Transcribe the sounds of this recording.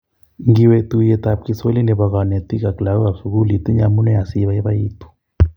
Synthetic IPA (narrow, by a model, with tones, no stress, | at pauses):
ŋɡi˨we˨t̪u˨je˨t̪a˨p̚ki˨so˦li˦nɛ˨βa˨ɣa˨nɛ˨t̪i˦ka˨kla˨u˦ɣa˨fu˨ɣu˦li˨t̪i˦ɲa˨mu˦nɛ˦ja˨si˦βa˨jɛ˦βa˦i˦t̪u̥˦